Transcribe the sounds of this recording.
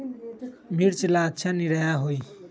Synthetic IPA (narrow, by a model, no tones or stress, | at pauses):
miɾt͡ʃilad̪t͡ʃʰaniɾajaɦoj